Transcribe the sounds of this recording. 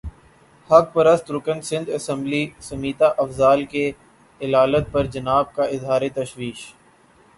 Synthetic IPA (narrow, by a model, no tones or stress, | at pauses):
hɐk̚pɐɾəst̪ɾʊkə̃nsɪ̃nd̪ɐsə̃mblisɐmiːt̪aʔɐfzaːlke | ɪlaːlət̪̚pɐɾd͡ʒɐnaːb̚kaʔɪzɦaːɾet̪ɐʃwiːʃ